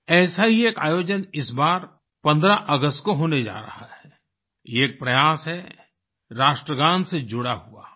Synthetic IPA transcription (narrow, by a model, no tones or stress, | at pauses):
ɛːsaɦieːka̰ːjoːd͡ʒənɪsbaːɾ | pɐ̃nd̪ɾaʔəɡəst̪koɦoːned͡ʒa̰ːɾɐ̰haɦɛ | jeːk̚pɾɐjaːsɦɛ | ɾaːʃʈɾəɡãːnsed͡ʒʊɽaɦua̰ː